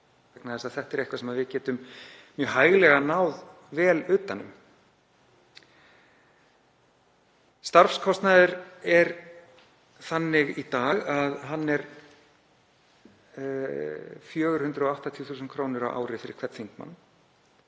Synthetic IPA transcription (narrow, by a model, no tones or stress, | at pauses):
knaðɛsaðθɛht̪ɛɾejhkvasɛmaðvɪcɛːt̪ʏmmjœːɦaːjɣlɛɣanaːwð | vɛːlʏːt̪anːʏ̰m | st̪aɾfskʰɔst̪naðʏɾɛɾ | θanːɪɣit̪aːɣaðɦanːɛɾ | fjœːɣʏɾ̥hʏnt̪ɾʏɔaht̪at̪ʰjuːθuːsʏnkʰɾoːwnɪɾa̰wʔa̰ːwɾɪfɪːɾɪɾ̥kʰvɛt̪θfijn̥t̪ma̰nː